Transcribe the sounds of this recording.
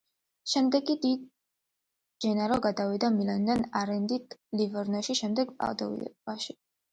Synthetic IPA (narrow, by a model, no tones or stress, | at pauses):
ʃɛmd̪ɛkid̪id̪̚ | d͡ʒɛnaɾɔɡad̪avid̪amiland̪anaɾɛnd̪it̪ʰlivɛɾnɔʃiʃɛmd̪ɛɡpʼa̰ld̪ɔ̰ḭɛ̰b̥aʃi